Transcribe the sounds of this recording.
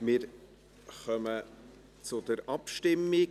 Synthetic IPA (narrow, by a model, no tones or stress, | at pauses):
mɪːɾ | χœmə | t͡sʊd̥̪əɾʔɑpʃtɪmːɪ